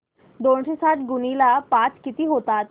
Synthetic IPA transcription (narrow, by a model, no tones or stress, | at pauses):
d̪onɕesaʈɡunilapat͡skit̪iɦot̪at̪̚